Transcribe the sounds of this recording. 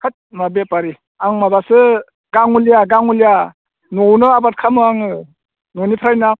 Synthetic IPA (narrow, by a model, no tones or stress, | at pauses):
kʰat̚mabepaɾi | aŋmabasɯ | ɡ̥aŋulijaɡaŋulja | nownɯabat̚kʰamɯaŋɯ | nownipʰɾajna